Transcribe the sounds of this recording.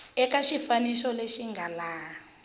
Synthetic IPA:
ɛkaʃifanisɔleʃiŋɡʱalaːɔ

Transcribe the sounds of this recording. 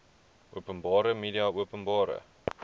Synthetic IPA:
ʔuəpənbɑːɾəmiːdiɑuəpənbɑːɾə̰

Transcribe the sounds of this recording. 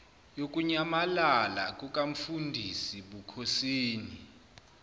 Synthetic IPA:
jok̬ʼuɲamalalak̬ʼukʼaɱ̩fundʱisiɓukʰosiːni

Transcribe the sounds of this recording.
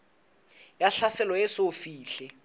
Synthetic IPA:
jaɬasɛlɔɛsofiːɬɛ

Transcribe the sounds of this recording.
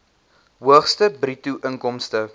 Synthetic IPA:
ɦuəχstəbrituʔəŋkɔmstə

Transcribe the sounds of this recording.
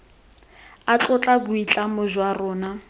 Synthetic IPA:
at͡ɬʼʊt͡ɬʼabʊit͡ɬʼamʊʒwarɔːna

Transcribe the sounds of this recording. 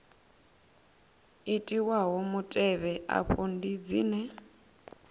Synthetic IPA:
itʼiwaɦɔmutʼɛβɛʔa̰ɸondid͡zḭːnɛ

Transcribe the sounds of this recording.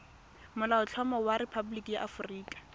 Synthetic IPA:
mʊlaʊt͡ɬʰɔmɔwaɾɪpʰabulikijaʔafʊriːkʼḁ

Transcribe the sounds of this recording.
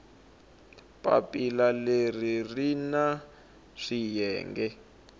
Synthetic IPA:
pʼa̰pʼilaleririna | ʂijɛːŋɡɛ

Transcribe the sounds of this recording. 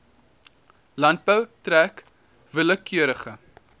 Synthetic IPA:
lɐnt̚bəwtɾæk | vələkyəɾəχə

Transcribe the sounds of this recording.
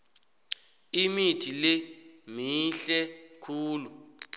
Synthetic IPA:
imitʰilemiɬɛkʰuːlu

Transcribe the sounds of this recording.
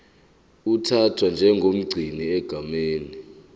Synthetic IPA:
utʰatʰwand͡ʒʱɛŋɡʱom̩ɡ͡ǀʱiniɛɡ̥ʱameːni

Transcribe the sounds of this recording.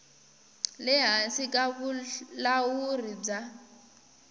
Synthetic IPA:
lɪɦasikʼaβulawurid͡za

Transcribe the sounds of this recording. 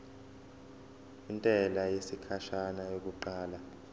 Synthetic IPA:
intʼɛlajesikʰaʃanajok̬uǃaːla

